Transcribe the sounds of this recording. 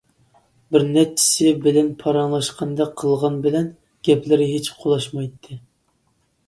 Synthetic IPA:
bɪɾnɛt͡ʃʰːi̥sɪbɪlɛnpʰɑɾɑŋlˠɑʃqʰɑnd̪ɛqʰːəlˠʁɑnbɪlɛn | ɡ̥ʲɛplɪɾɪɦet͡ʃqʰolˠɑʃmɑjt̪ʰːɨ

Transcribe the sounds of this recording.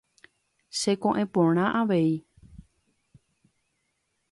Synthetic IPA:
ʃe̞kõʔẽpõɽ̃ãʔaʋei

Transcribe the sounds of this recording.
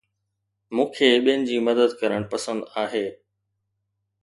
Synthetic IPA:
mũːkʰeːɓiənɪ̆d͡ʑiːmɐd̪əd̪kɐɾəɽ̃pɐsə̃nd̪aːɦeː

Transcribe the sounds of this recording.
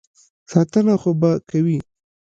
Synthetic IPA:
sɑt̪ənaxobakawi

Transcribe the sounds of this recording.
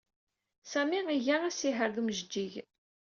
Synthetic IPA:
sæmiiʝææsiɦəɾðuməʒd͡ʒːiʝ

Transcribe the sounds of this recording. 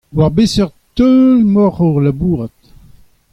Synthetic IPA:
waʁbesœʁt̪ølmɔʁɔʁlabuːʁat̪

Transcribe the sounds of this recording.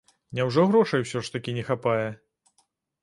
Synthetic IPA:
nʲawʐɔɣɾɔʂɐjwsʲɔʂt̪ɐkʲinʲɛxapajɛ

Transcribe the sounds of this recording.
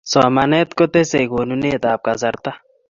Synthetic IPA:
sɔːmanet̪kot̪esejɡonuneːt̪aːp̚kazɐɾt̪a

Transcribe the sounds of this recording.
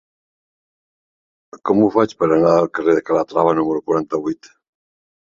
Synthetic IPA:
kɔmufat͡ʃpəɾanaalkareðekalat̪ɾaβanuməɾukwuɾant̪aβujt̪

